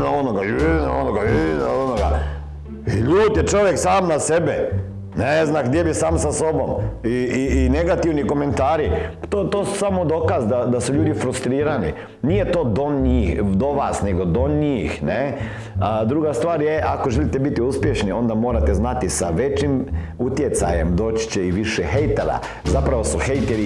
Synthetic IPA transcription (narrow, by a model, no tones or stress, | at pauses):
naonoɡanaonoɡaina̰onoɡa̰ | iʎuːt̪jet͡ʃo̞ʋjeksaːmnasebɛ | neznaɡd̪jebisaːmsaso̞bomiiːneɡat̪iʋniko̞ment̪aːɾi | t̪ot̪oːsu̥samod̪o̞ːkazd̪ad̪asuʎuːd̪ifɾust̪ɾiːɾanḭ | nijet̪od̪oɲiːxd̪oʋaːsne̞ɡod̪oɲiːxne | d̪ɾuɡast̪ʋaːɾjeʔakoʒelit̪ebit̪iuspjeʃnio̞nd̪amoːɾat̪eznat̪isa̰ʋet͡ɕim | ut̪jet̪sa̰jemd̪o̞ːt͡ʃt͡ʃeiʋiʃɛxejt̪eɾa̰ | zapɾaʋo̞suxejt̪eɾi